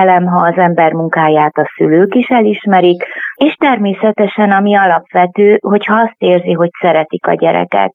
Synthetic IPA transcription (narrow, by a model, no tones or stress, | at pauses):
lɛmɦɒːzɛmbɛrmuŋkaːjaːt̪ɒsyløːkiʃɛliʃmɛɾikeːʃt̪ɛrmeːsɛt̪ɛʃɛnɒmiɒlɒpʋɛt̪øːɦo̞chɒɒst̪eːrziɦo̞csɛɾɛt̪ikɒ̰ɟɛɾɛ̰kɛ̰t̪